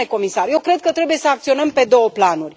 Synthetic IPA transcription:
eko̞misarje̞wkɾe̞d̪̚kət̪ɾe̞buje̞səak̚t̪sio̞nəmpe̞d̪o̞wəplanurʲ

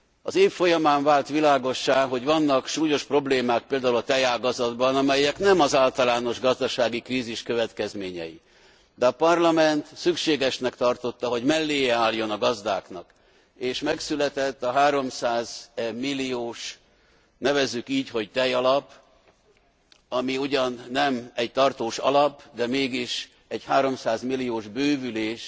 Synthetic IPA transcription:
ɒ̰zeːffo̞jɒmaːɱvaːlt̪ʋilaːɡo̞ʃːaːɦo̞ɟʋɒnːɒkʃuːjo̞ʃpro̞bleːmaːk̚peːld̪aːulɒt̪ɛjaːɡɒzɒd̪bɒnɒmɛjɛknɛmɒzaːlt̪ɒlaːno̞ʒɡɒzd̪ɒʃaːɡikriːziʃkøvɛt̪kɛzmeːɲɛ̰jḭ | d̪ɛɒpɒrlɒmɛnt̪sykʃeːɡɛʃnɛkt̪ɒrt̪o̞t̪ːɒɦo̞ɟmɛlːeːjɛaːljo̞nɒɡɒzd̪aːknɒk | eːʃmɛksylɛt̪ɛt̪ːɒɦaːɾo̞msaːzmilːioːʃ | nɛvɛzːykiːcho̞ɟt̪ɛjɒlɒp | ɒmiuɟɒnːɛmɛɟt̪ɒrt̪oːʃɒ̰lɒpd̪ɛmeːɡiʃ | ɛɟhaːɾo̞msaːzmilːijoːʒbøːvyleːʃ

